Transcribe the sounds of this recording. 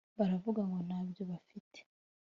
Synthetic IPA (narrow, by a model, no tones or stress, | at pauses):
βaɾavuɡaŋɡo̞naːbjo̞βafitʰe̥